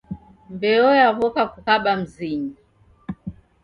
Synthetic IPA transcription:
mbɛɔjaβɔkakukaɓam̩ziɲi

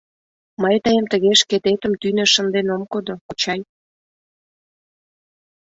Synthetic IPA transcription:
məjt̪əjəmt̪əɣeʃket̪et̪əmt̪ynĕʃə̆nd̪enomkod̪okut͡ɕɑj

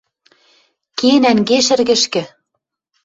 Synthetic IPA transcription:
kenæŋɡeʃɘ̆rɣɘ̆ʃkɘ̆

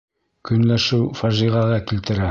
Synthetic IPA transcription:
kɵ̆nlæʃɘwfæʒiʁɑʁɑkilt̪ɘ̆ɾæ

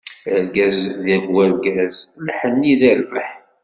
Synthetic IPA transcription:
əɾɡæzðæɡæɾɡæzlħənːiðæɾvəħ

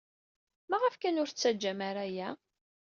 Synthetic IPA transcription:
mæʁəfkænʊɾt͡sːæd͡ʒːæmæɾæjæ

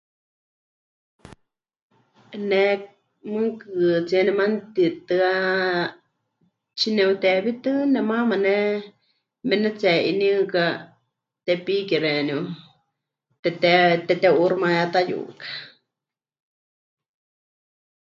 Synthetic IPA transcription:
ne | mɨŋkɨt͡senɛmant̪it̪ɨa | t͡ʃineut̪ɛbit̪ɨnɛmãmanɛ | mɛnɛt͡sɛʔḭnɨ̃ka | t̪epikiɾenu | t̪ɛt̪ɛt̪ɛt̪euɾmajat̪ajṵkḁ

